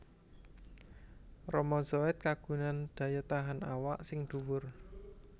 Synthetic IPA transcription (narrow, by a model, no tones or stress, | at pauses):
rɔmɔzɔɛt̪̚kaɡ̥ṳnand̪̥ä̤jat̪aɦanawaʔsɪŋd̪̥uwʊr